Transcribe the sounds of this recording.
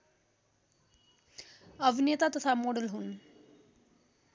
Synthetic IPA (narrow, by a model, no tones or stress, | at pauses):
əʋinjət̪at̪əsʰamoɽəlɦuːn